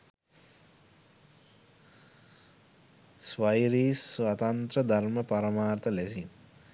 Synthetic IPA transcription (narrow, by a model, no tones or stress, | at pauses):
sʋajɾiːsʋat̪ant̪rəd̪ʱarməpaɾəmaːrt̪əlɛsin